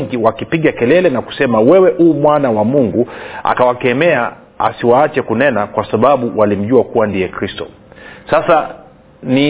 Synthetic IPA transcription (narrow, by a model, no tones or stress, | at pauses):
ŋɡiwakipiɠakɛlɛlɛnaku̥sɛmawɛwɛʔuːmwanawamuŋɡua̰kawakɛmɛa | a̰siwaːt͡ʃɛkunɛnakwasaɓaɓuwʔalim̩ʄuakuwandiɛkɾistɔ̰ | sasa | ni